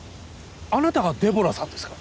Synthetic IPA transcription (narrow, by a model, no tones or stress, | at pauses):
anat̪aɡad̪e̞bo̞ɾasãnd̪esɨ̥ka